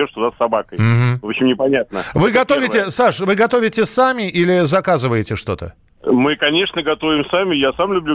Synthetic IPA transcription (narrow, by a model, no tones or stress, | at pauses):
oʂt̪ʊd̪asːɐbakəjm̩ɦm̩vopɕɪmnʲɪpɐnʲat̪̚nəvɨɡɐt̪o̞vʲɪtʲɪsaʂvɨɡɐt̪o̞vʲɪtʲɪsamʲɪʔilʲɪzɐkazɨvəjɪtʲɪʂt̪o̞t̪ə̰ | mɨkɐnʲe̞ʂnəɡɐt̪o̞vʲɪmsamʲɪjasamlʲʊblʲu